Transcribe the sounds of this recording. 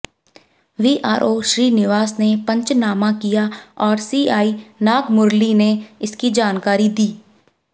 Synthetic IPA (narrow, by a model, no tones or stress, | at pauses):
ʋiːʔa̰ːɾʔoːʃɾiːnɪʋaːsnepə̃ɲt͡ʃnaːmãkijaɔːɾsiːaːinaːɡmʊɾlineɪskid͡ʒaːnkaːɾid̪iː